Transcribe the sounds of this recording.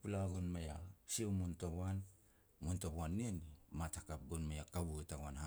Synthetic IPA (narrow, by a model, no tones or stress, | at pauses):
pulaɡonmejasiemuntoβan | muntoβanːienimatakap̚ɡonmajakaβuetaɡwanha